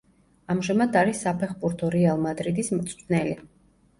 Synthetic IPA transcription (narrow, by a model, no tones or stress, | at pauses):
amʒamad̪aɾisːapʰɛχbuɾt̪ʰɔɾɛalˠmad̪ɾid̪ismɾt̪sʼʰnɛli